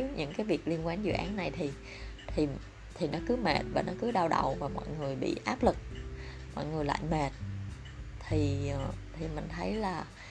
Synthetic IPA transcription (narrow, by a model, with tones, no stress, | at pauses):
wɲʔɨ̰˧˥ŋkaː˨˦jvi˨˩ək̚li˧ənkwaː˨˧˦nzɨ̰˧˨ʔaː˨˦nːa˨˩jt̪ʰi˨˩ | t̪ʰi˨˩ | t̪ʰi˨˩nɔ˨˦kɨ˨˦me˨˩t̚vaː˨˩nɔ˨˦kɨ˨˦ɗaː˧wɗə̰˨˩wvaː˨˩mɔ̰˧˨jŋɨ˨˩əjɓḭ˧˨ʔaː˦˥p̚lɨ˨˩k̚ | mɔ̰˧˨jŋɨ˨˩əjla̰ː˧˨jme˨˩t̚ | t̪ʰi˨˩˨t̪ʰi˨˩mï˨˩ŋ̟t̪ʰə˨˦jlaː˨˩